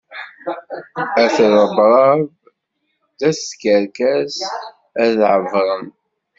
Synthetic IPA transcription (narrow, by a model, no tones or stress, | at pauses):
æθɾˤəbɾˤɑv | ðæskəɾkæs | æðʕəvɾˤəm